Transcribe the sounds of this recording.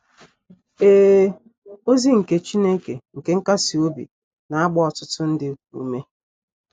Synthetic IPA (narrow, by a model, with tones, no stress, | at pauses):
eː˦ | o˦zi˦ŋ̩˨ke˦t͡ʃi˦ne˦ke˨ŋ̩˨ke˦ŋ̩˦ka˦si˨o˦bḭ˨ | na˨a˦ɡ͡bɔ˦ɔ˨tʊ˦tʊ˦n̩˦dɪ˦ṵ˦me˦